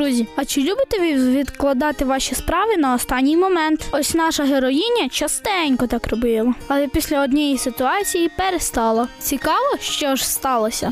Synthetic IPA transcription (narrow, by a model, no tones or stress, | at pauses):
ɾuzʲiɐt͡ʃɪlʲubɪt̪ɛʋiʋʲid̪klˠɐd̪ɑt̪ɪʋɑʃispɾɑʋɪnɐɔst̪ɑnʲːijmɔmɛnt̪ɔsʲnɑʃɐɦeɾɔjinʲːɐt͡ʃɐst̪ɛnʲkɔt̪ɑkrɔbɪlˠɐɐlˠɛpʲisʲlʲɐɔd̪ʲnʲɛjisɪt̪ʊɑt͡sʲijipeɾest̪ɑlˠɐt͡sʲikɑʋɔʃt͡ʃɔʒst̪ɑlˠɐsʲɐ̰